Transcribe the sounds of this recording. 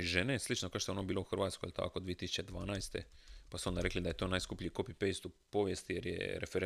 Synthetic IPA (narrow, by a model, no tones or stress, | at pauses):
ʒeneslit͡ʃnokaʃt̪oonobiːlo̞uxɾ̩ʋaːt̪skojilt̪a̰kod̪ʋiet̪isu̥t͡ɕed̪ʋaːnajst̪e̞̰pasuond̪aɾeklid̪ajet̪o̞ːnaːjskupʎʲiːkopipejst̪upo̞ʋjest̪ijeɾjḛɾḛfeɾ